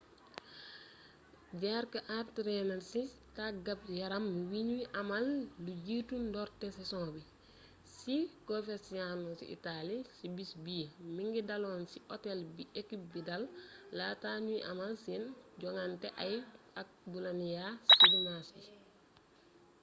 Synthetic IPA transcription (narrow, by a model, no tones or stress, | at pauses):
ɟaɾkɐʔartɾɛnɛɾsi | taɡɐp̚jɐɾɐmwiɲuiʔɐmallujiːtundɔɾtɛsisɔ̃ːbi | sikofɛsianɔsḭʔḭtalisibisbiəmiŋɡidɐlɔnsiʔɔtɛlbiʔekip̚bidɐlːaːtaːɲuiʔɐmalsinɟɔŋantɛʔɐj | ɐk̚bulɐnjasilimasi